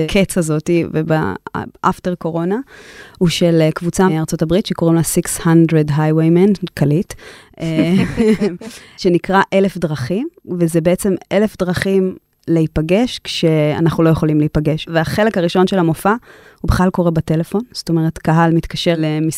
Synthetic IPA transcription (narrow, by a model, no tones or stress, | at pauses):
kʰet͡sazotiveba̰ʔafte̞ʁko̞ʁo̞nauʃelekvut͡saaʁt͡so̞tabʁitʃekoʁimlesikshandʁedɦajwejmenkalite | ʃenikʁaʔe̞lefdʁaχimvezebeet͡se̞mʔe̞le̞fdʁaχim | leipaɡe̞ʃkʃe̞a̰naχnulo̞jeχo̞limleipaɡe̞ʃveaχe̞lekaʁiʃo̞nʃelamofa | hubeχlalko̞ʁebate̞lefo̞nz̥oto̞me̞ʁetkaɦalmitkaʃe̞lemi